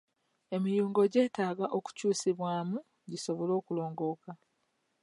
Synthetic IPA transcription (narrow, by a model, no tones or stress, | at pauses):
e̞mijuːŋɡo̞ɟe̞ːtaːɡaʔo̞ku̥cuːsiβwaːmu | ɟiso̞βolo̞ːkulo̞ːŋɡo̞ːka